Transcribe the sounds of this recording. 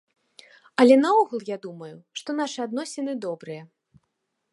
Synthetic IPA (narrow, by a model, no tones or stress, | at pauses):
ɐlʲɛnɐɔɣulˠjad̪umɐjuʂt̪ɔn̪aʂɨad̪nɔsʲɛnɨd̪ɔbɾɨjɐ